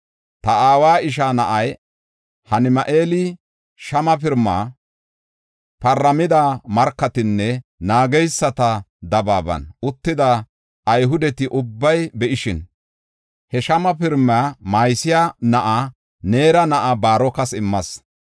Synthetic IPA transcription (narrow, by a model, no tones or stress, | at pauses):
t̪ɐaːwaːɪʃanɐʔɐj | hɐnɪmɐʔe̞ːlɪ | ʃɐmɐpɪɾmːa̰ː | pɐrːɐmɪd̪amɐɾkːɐt̪ɪnːɛnaːɡɛjsːɐt̪ɐd̪ɐbaːbɐ̰nʔʊt̪ːɪd̪ɐ | ʔːjɦʊd̪ɛt̪ɪʔʊbːɐjbɛʔɪʃɪn | hɛʃɐmɐpɪɾmaːmaːjsɪjanɐʔa | ne̞ːɾɐnɐʔabaːɾɔkɐsɪmːɐs